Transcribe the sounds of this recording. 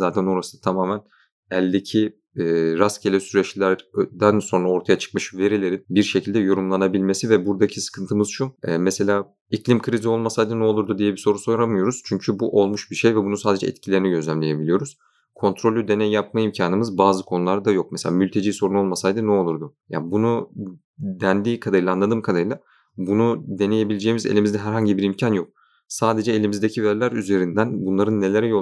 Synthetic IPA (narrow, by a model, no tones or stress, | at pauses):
zaːt̪ʰænoɾast̪ʰamaːmæn | ɛlʲd̪e̞cʰiː | ɾascʰelʲɛsyɾɛt͡ʃlʲæɾd̪ænso̞nɾao̞ɾt̪ʰajat͡ʃʰɯ̥k̚maʃɯve̞ɾilʲeɾinbiɾʃecʰilʲd̪ɛjo̞ɾumlˠanabilʲme̞sivɛbuɾd̪acʰisɯ̥kʰɯnt̪ʰɯmɯz̥ʃuɛːmɛse̞lʲaː | iclʲimkʰɯɾizio̞lˠmasajd̪ɯnɛo̞lˠuɾd̪ud̪ijɛbiso̞ɾuso̞jɾamɯjo̞ɾuz̥t͡ʃʰyɲcʰybuʔo̞lˠmuʃbiɾʃe̞jvɛbunusaːd̪e̞d͡ʒɛ̰ɛ̰t̪cʰilʲe̞ɾiniɟø̞zlʲæmlʲe̞je̞bilʲijo̞ɾuz̥ | kʰo̞nt̪ʰɾo̞lʲːyd̪e̞nɛjːap̚maimcʰaːnɯmɯzbaːzɯkʰo̞nulˠaɾd̪ajo̞k̚mɛse̞lʲaːmylʲt̪ʰe̞d͡ʒiːso̞ɾuno̞lˠmasajd̪ɯnɛo̞lˠuɾd̪uja̰bunu | d̪ænd̪iːkʰad̪aɾɯlˠaːnlˠad̪ɯːmkʰad̪aɯlˠa | bunud̪e̞ne̞je̞bilʲed͡ʒe̞ːimizḛlʲimizd̪ɛɦæɾɦaɲɟibiɾimcʰanjo̞k̚ | saːd̪e̞d͡ʒɛelʲimizd̪ecʰivæɾlʲæɾyze̞ɾind̪ænbunlˠaɾɯnːe̞lʲe̞ɾɛjo